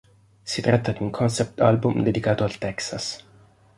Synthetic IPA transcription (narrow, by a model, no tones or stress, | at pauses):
sit̪ɾat̪ːad̪iuŋkʰɔnsɛp̚t̪albumd̪ed̪ikaːt̪oalt̪ɛksas